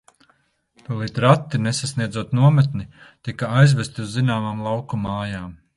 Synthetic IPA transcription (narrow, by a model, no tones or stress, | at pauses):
pulˠit̪ɾat̪ːinesasniɛzuɔt̪nuɔmet̪nit̪ikaajzvæst̪iuzːinaːmaːmlˠawkumaːjaːm